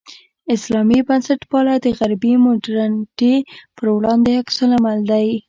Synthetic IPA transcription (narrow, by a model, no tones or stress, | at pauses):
ɪslɑmibansaʈpɑlad̪əɣaɾbimʊɖɾanʈepəɾwɽɑnd̪eaksəlamald̪aj